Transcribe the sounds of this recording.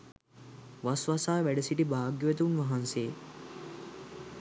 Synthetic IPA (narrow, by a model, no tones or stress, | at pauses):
ʋasʋasaːʋæɖesiʈibʱaːɡjoet̪̬uunʋɐɦanseː